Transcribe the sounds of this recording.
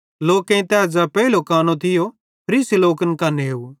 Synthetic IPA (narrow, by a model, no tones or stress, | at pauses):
loːkẽĩt̪ɛːd͡ʒapɛilokaːnõt̪ʰɪjo | pʰɐɾiːsiloːkənkaːneɦeu